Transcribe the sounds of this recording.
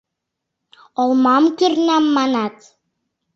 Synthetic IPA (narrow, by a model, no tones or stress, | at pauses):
ɔlˠmɑmkyrnɑmːɑnɑt̪